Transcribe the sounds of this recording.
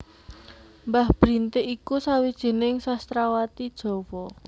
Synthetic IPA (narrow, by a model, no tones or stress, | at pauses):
mbahb̥ɾint̪ɪʔikusawid̥ʒ̥e̤nɪŋsast̪ɾawat̪id̥ʒ̥ɔ̤wɔ